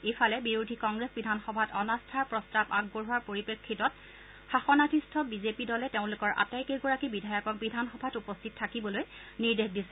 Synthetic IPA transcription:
ejfʰalɛbiɹudʱikɔŋɡɹesbidʱanxɔbʱatɔnastʰaɹpɹɔstabaɡ̚boɹɦuaɹpoɹipekʰːitɔt̚ | xaxɔnatʰistʰɔbizepidɔlɛteʊ̃lʊkɔɹʔa̰tajkeɡɔɹakibidʱajɔkɔkbidʱanxɔbʱatupɔstʰit̚tʰːakibɔlojniɹdexdisɛ̥

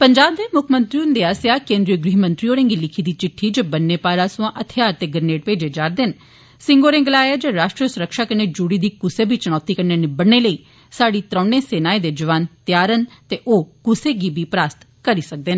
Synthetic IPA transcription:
pəɲd͡ʒaːb̚d̪eːmʊkʰmə̃nt̪ɾiːʊnd̪eːaːsjaːkẽːnd̪ɾijəɡɾiːɦmə̃nt̪ɾiːoːɾẽːŋɡiːlɪkʰiːd̪iːt͡ʃɪʈʰːiːd͡ʒoːbənːeːpaːɾaːsʊãːʔət̪ʰɪjaːɾt̪eːɡəɾneːʈ̚peːd͡ʒeːd͡ʒaːɾd̪en | sɪŋɡoːɾẽːŋɡəlaːjaːd͡ʒəːɾaːʃʈɾiəsʊɾəkʃaːkəneːd͡ʒuːɽiːd̪iːkʊseːbʱiːt͡ʃəɽ̃ɔːt̪iːkəɾneːnɪbəɽneːləiː | saːɽiːt̪ɾɔ̃ːnẽːseːnaːẽːd̪eːd͡ʒəʋaːnt̪jaːɾənt̪eːʔoːkʊseːɡiːbʱiːpɾaːst̪ | kəɾiːsək̚d̪eːneː

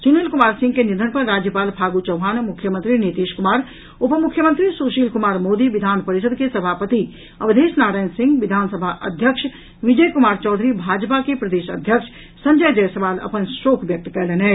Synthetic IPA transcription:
sunelkumaːɾsɪ̃ŋɡkenɪnd̪ʱənpəɾɾːaːd͡ʒjəpaːlpʰaːɡut͡ʃəwɦaːnmukʰjəmə̃nt̪ɾinet̪iːʃkumaːɾ | opəmukʰːjəmə̃nt̪ɾisuːʃiːlkumaːɾmoːd̪iʋid̪ʱaːnpəɾiʃəd̪̚kesəbʱaːpət̪i | ɐbd̪eːsnaːɾaːjnsɪ̃ŋɡʋid̪ʱaːnsəbʱaʔə̰d̪ʱjəkʃ | ʋid͡ʒəjkumaːɾt͡ʃɔːd̪ʱɾibʱaːd͡ʒpakepɾəd̪eːʃə̰d̪ʱjəkʂ | sə̃ɲd͡ʒəjd͡ʒəjsəʋaːlɐ̰pənsɾokʋjək̚t̪kɛlɛnɦɛ

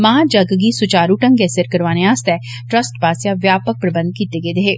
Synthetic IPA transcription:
mãd͡ʒɐɡɡisʊt͡ʃaːɾuʈə̃ŋɡɛːsəɾkəɾʋaːneaːst̪ɛː | ʈɾəsʈpaːsjaʋjaːpək̚pɾəbə̃nd̪̚kiːt̪eɡeːd̪eɦeː

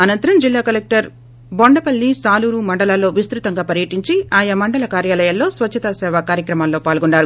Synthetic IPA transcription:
ɐnɐnt̪ɐɾɐmd͡ʒilːaːkɐlek̚ʈɐɾ | boɳɖɐpɐlːisaːluːɾumɐɳɖɐlaːlːo̞ːʋist̪ɾut̪ɐŋɡaːpɐɾjɐʈiɲt͡ʃiaːjɐmɐɳɖɐlɐkaːɾjaːlɐjalːo̞ːsʋɐt͡ʃʰːɐt̪aːsɛːʋaːkaːɾjɐkɾɐmaːlːo̞ːpaːlɡuɳːaːɾu

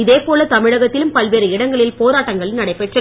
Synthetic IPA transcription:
ɪðeːpoːlɐt̪ɐmɪɻɐɣɐt̪ːɪlɯmpɐlʋeːɾɯɪɽɐŋɡɐɭɪlpoːɾaːʈːɐŋɡɐɭnɐɽɐɪpɛʈrɐ

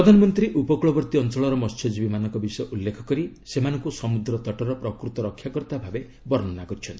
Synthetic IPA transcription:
ɾɔd̪ʱanɔmɔnt̪ɾiʔupɔkuɭɔbɔɾt̪iɔnt͡ʃɔɭɔɾɔmɔst͡ʃʰed͡ʒbimanɔŋkɔbisɔjɔʔulːekʰɔ̥kɔɾi | semanɔŋkusɔmud̪ɾɔt̪ɔʈɔɾɔpɾɔkɾut̪ɔɾɔkʰjakɔɾt̪abʱabe | bɔɾnɔnakɔɾit͡ʃʰɔnt̪ii

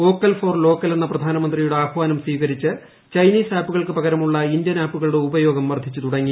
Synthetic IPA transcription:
o̞ːkːɐlfo̞ːrlo̞ːkːɐle̞nːɐprɐd̪ʱaːnɐmɐnd̪rijuɽeaːbʋaːnɐmswiːɣɐɾit͡ɕːɨ | t͡ɕɐjniːsaːpːuɣɐɭkɨpɐɣɐɾɐmuɭːɐind̪jɐnaːpːuɣɐɭuɽeubɐjo̞ːɡɐmʋɐrd̪ʱit͡ɕːɨt̪uɽɐŋːi

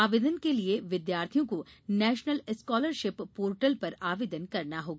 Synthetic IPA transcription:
aːʋeːd̪ənkelieʋɪd̪jaːɾt̪ʰijõkonɛːʃnəlɪskɔːləɾʃɪpːoːɾʈəlpɐɾaːʋeːd̪ənkɐɾnaɦoːɡaː

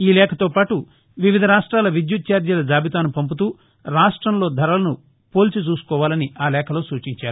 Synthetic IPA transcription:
iːlɛːkʰɐt̪o̞ːpaːʈu | ʋiʋid̪ʱɐɾaːʂʈɾaːlɐʋid̪jut̪̚t͡ʃaːɾd̪jɐlɐd͡ʒaːbʱit̪̬aːnupɐmp̬ut̪̬uː | ɾaːʂʈɾɐmlo̞ːd̪ʱɐɾɐlɐnu | poːlt͡ʃut͡ʃuːsu̥kɔːʋaːlɐniaːlɛːkʰɐlo̞ːsuːt͡ʃiɲt͡ʃaːɾuu

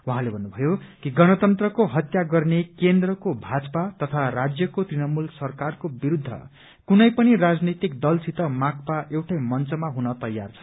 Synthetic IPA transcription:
waɦãlebʱʌnːubʱʌjokiɡʌnʌt̪ʌnt̪rʌkoɦʌt̪jaɡʌrnekend̪rʌkobʱad͡zpat̪ʌt̪ʰarad͡zjʌkot̪rinʌmulsʌrkarkobiɾud̪ʱːʌ̰ | kunʌjpʌnirad͡znit̪ikd̪ʌlsʰit̪ʌmak̚paʔewʈʌjmʌnt͡sʌmaɦunʌt̪ʌjːa̰rt͡sʰʌ̥

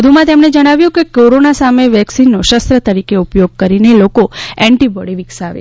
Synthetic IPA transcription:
əd̪ʱumãt̪emned͡ʒəɽ̃aʋjũkekoɾonasameʋɛksinːoʃəst̪ɾət̪əɾikeupjoɡ̚kəɾinelokoɛɳʈibɔɽiʋiksaʋḛ

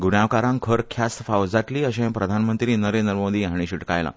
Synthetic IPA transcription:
ɡunjaʋkaɾãŋkʰəɾkʰjasfawd͡zaʈliːəɕẽpɾəd̪ʱanmənt̪ɾiːnəɾend̪ɾəmod̪iːɦaɽ̃iɕiʈkajlã̰

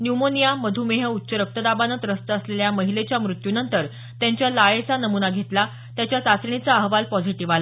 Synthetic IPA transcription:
njumonijaməd̪ʱumeɦəut̪ːɕəɾək̚t̪əd̪abanət̪ɾəst̪əːsleljaməɦilet͡ɕjamɾut̪junənt̪əɾ | t̪jãɲt͡ɕjalajet͡sanəmunaɡʱet̪la | t̪jat͡ɕjat̪at͡sɳit͡saəɦʋalpɔd͡ziʈiʋala

